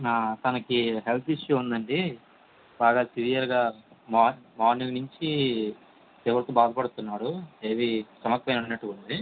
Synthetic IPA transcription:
aːt̪ɐnɐkiɦelt̪ʰiʂjuund̪ɐɳɖi | baːɡaːsiɾijɐɾɡaːmamaːniŋnuɲt͡ʃi | t̪eʋɐɾt̪ubaːd̪ɐpɐɽut̪unːaːɽueːʋit͡ʃɐmɐkːɐjnunːɐʈːuuɳɖ̪i

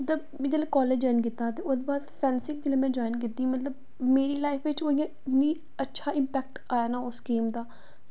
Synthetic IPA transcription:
mət̪ləbmɛ̃ːd͡ʒeːleːkɔːleːd͡ʒɔːɪnk̬ɪt̪ːãːt̪eːʊsbaːt̪pʰɛːnsɪk̚d͡ʒeːlẽːmɛ̃ːd͡ʒɔːɪnkɪt̪ːiːmət̪ləb̚ | meːɾiːlaːɪfʋɪt͡ʃoːijãːɪt̪nĩː | ətːʃʰaːɪmpɛːk̚ʈaːjaːnaːʊskeːmd̪aː

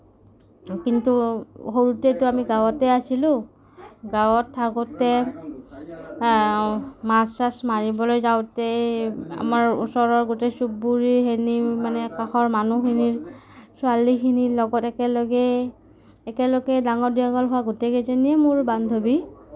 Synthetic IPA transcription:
kintuxoɹutetʊamiɡawɔtɛasilʊ̃ | ɡawɔtʰːakɔtɛ | masasmaɹibɔlojzawtɛa̰maɹṵsɔɹɔɹɡotesubuɹiɹɦenimanɛkaxɔɹmanuxʰiniɹsʊalikʰinilɔɡɔtɛkɛlɔɡɛː | kɛlɔɡɛdaŋɔɹdiaɡɔlɦʊaɡotɛkezɔniɛmʊɹband̪ʱobi

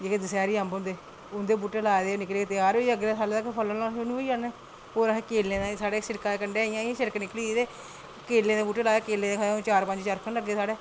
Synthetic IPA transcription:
d͡ʒeːked̪əsaːɾiːəmbʊ̃nd̪eː | ʊnd̪eːbuːʈeːlaːd̪eːonɪkleːet̪ɪjaːɾoiəɡɾeːsaːlːd̪aːkepʰələãːʃʊnũːiːaːneː | oːɾəẽːkeːlːẽːd̪ãːsaːɽeːsɪɽkaekəɳɖeːaijãːʃəɾknɪkliːid̪eː | keːlːẽːd̪eːbuːʈeːlaːeːkeːlẽːd̪eːkʰːt͡ʃaːɾpəɲd͡ʒt͡ʃaːɾkʰənləɡːeːsaːɽeː

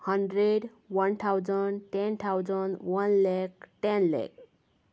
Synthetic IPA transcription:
həɳɖɾeɖ | wənt̪ʰawd͡ʒənɖʈɛnt̪ʰawd͡ʒənwənlɛk̚ʈɛnlɛ̰k̚

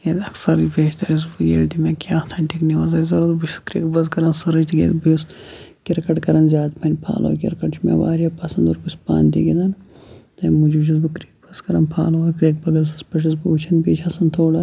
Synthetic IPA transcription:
jed̪ɐksɐɾbeːt͡ʃt̪ɐɾiz̬bujeld̪imekʲjaːt̪ʰɐɳʈikniʋɐzɐzɐɾod̪but͡ʃʰi̥skɾiːkbɐzkɐɾɐnsɐɾɐd͡ʒt̪iɡʲḛd̪biskʲiɾkɐʈkɐɾɐnzʲjaːd̪pʰɐnʲpʰa̰ːlo̰kʲiɾkɐʈt͡ʃʰmḛʋa̰ːɾjapɐsɐnd̪uɾbusʲpa̰ːnd̪ḭɡʲid̪ɐn | t̪ɐnmud͡ʒbuʃiz̬bɨkɾiːk̚bɐskɐɾɐnpʰa̰ːlɐwkɾiːk̚bɐɡɐls̬ɐspɐʃ̬ɐzbuut͡ʃʰɐnbiːt͡ʃʰɐsɐnt̪ʰoːɽɐ

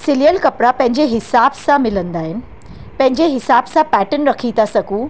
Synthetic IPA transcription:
sɪlijəlkɐpɾapɐ̃ɦɪ̃ɲd͡ʑeɦɪsaːbsãmɪlə̃nd̪aːɦɪnɪ̆ | pɐ̃ɦɪ̃ɲd͡ʑeɦɪsaːbsãpɛːʈənɾɐkʰit̪ʰasɐɡũ

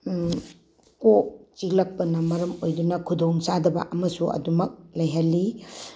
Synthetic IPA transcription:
kot͡ʃilɐk̚pɐnɐmɐɾɐmojdunɐkʰudoŋsadɐbɐ̰ʔɐmɐsuʔɐ̰dumɐk̚lɐjɦalːi

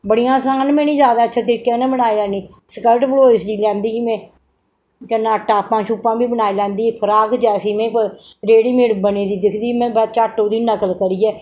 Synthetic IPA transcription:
bəɽijãːsaːnmɛ̃ːnĩːzjaːd̪aːətːʃʰaːt̪ɾiːkːɛːnɛ̃ːbənaːiːlɛːniː | səkəlʈbəloːsd̪iːlɛ̃ːnd̪iːmɛ̃ː | kənːãːʈːaːpːãːʃuːpãːbiːbənaːiːlɛ̃ːnd̪iːpʰəɾaːkd͡ʒɛːsiːmɛ̃ː | ɾeːɽiːmeːɽbəneːd̪iːd̪ɪkʰd̪iːmɛ̃ːbɛt͡ʃaːʈːoːd̪iːnːəkəlkəɾiːɛː

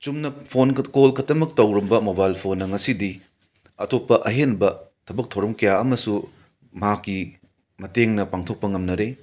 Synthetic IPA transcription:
t͡ʃumnɐpʰonkolkʰɐtɐmɐk̚tɐwɾɐmbɐmobajlpʰonːɐŋɐsidi | ɐtʰopːɐʔɐɦenbɐtʰɐbɐk̚tʰɐwɾɐmkʰɐjaɐmɐsu | mɐakːi | mɐteŋnɐpaŋtʰok̚pɐŋɐmnɐɾe

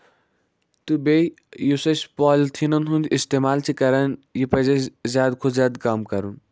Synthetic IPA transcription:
t̪ubej | jusɐspɔːlt̪ʰinɐnɦũnd̪ist̪emaːlt͡ʃʰikɐɾɐnjipɐzezʲjaːd̪kʰozjaːd̪kaːmkɐɾun

